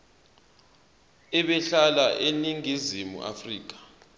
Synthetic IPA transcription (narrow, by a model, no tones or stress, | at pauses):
ɛɓɛɬalaʔeniŋizimṵʔa̰friːk̬ḁ